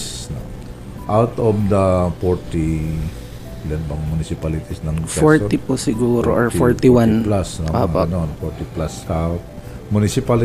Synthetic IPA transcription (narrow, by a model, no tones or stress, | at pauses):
sno | ʔawt̪ɔvd̪ɐfɔɹt̪i | lɛnbɐŋmʊnɪsɪpalɪt̪ɪsnɐŋfɛoɹt̪ipʊsɪɡuːɾoʔɔɹɔɹt̪iwanplasnɐʔo̰a̰ɐnonfɔɹt̪ɪplashap̚ | mʊnɪsɪpal